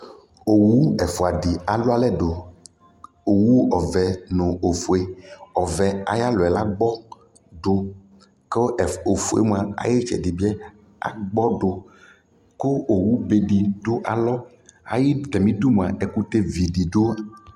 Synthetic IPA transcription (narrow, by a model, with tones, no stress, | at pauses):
o˨wu˦ɛ˨fo˨a˨ɖi˨a˨lo˦a˦lɛ˦ɖo˨ | o˨wu˦ɔ˨vɛ˨nõ˨o˨fo˨e˦ɔ˨vɛ˨a̰˨ja˦lɔ˨ɛ˨la˦ɡ͡bɔ˦ | ɖo˦ | ke˦˨o˨fu˦ḛ˦m˦ã˨a̰˨je˦t͡ʃɛ̰˨ɖi˨bi˦ɛ˦ | a̰˨ɡ͡bɔ˦ɖo˨ | ko˦o˨wu˦be˨ɖi˨ɖo˦ʔa˨lɔ˦ | a̰˨ji˦t̪ɛ˨mĩ˦d̪u˦m˨a˨ʔɛ˨ku˦t̪e˦vi˨ɖi˨ɖo˦˨